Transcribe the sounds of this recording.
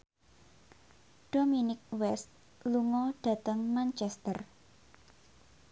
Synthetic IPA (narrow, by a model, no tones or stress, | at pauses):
ɖ̥ominɪk̚wɛst̪̚ | luŋɔɖ̥ä̤t̪əŋmant͡ʃɛst̪ər